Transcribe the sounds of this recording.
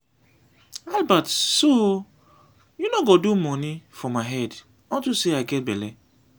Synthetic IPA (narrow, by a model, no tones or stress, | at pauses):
albatso | junoɡodumɔnifɔmaɦɛd | ɔntuseaɪɡɛt̚bɛlɛ